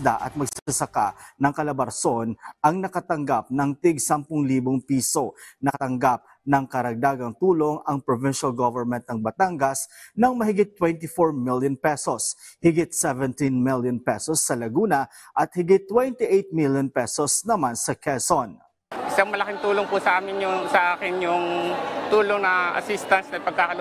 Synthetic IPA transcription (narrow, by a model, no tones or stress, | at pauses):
d̪aʔɐ̰t̪̚mɐɡsɐɐsɐka̰nɐŋkɐlɐbɐɾso̞nɐŋnɐkɐt̪ɐŋɡap̚nɐŋt̪ɪɡ̚sampʊŋliːboŋpiːso̞nɐkɐt̪ɐŋɡap̚ | nɐŋkɐɾɐɡ̚d̪aːɡɐŋt̪uːlo̞ŋɐŋpɹovɪnʃɐlɡovɛɹmɛ̃nt̪̚nɐŋbɐt̪aŋɡɐsnɐŋmɐɦɪɡɪt̪ːwɛnt̪ɪfoɹmiljonpɛsoshɪɡɪt̪̚sɛvɛnt̪inmiljonpɛsosːɐlɐɡuːnɐ | ʔɐt̪̚hɪɡɪt̪ːwɛnt̪iʔejt̪̚miljonpɛsosnɐmansɐkʰɛson | ʔɪsaŋmɐlɐkɪŋt̪uːloŋpusɐʔaːmɪnjʊsɐʔaːkɪnjʊŋt̪uːloŋnɐʔɐ̰sist̪ɐnsnɐpɐɡ̚kaːkɐl